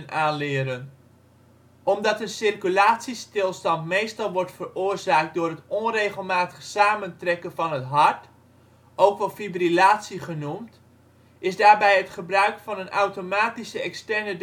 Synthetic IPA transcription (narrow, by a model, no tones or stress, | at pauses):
nʔaːnlɪːɾən | ʔɔmdɑtənsɪrkylaːtsistɪlˠstɑntmejstɑlˠʋɔɹtfərʊːrzaːk̚t̚dʊːrɦətɔnrejχəlˠmaːtə̥χsaːməntrɛkənvɑnɦətɦɑɹt | ʔowkʋɑlˠfibrilaːtsiχənumt | ɪzdaːɹbɛjɦətχəbrœɥkfɑnənʔawtomaːtisəɛkstɛɹnəd